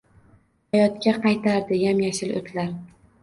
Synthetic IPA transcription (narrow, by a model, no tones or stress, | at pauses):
hajɒt̪kʲaqʰɑjt̪ʰaɾd̪ɪjamjaʃɪlo̰t̪ʰlaɾ